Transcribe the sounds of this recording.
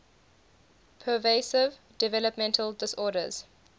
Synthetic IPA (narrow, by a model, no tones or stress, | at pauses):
pʰəveɪsɪv | dɪvɛləpmɛ̃ntʰəldɪsɔːɾə̰z̥